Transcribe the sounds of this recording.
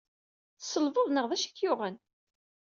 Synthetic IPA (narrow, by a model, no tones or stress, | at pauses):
θsəlvoðˤnəʁðˤæʃə̥kːjʊʁən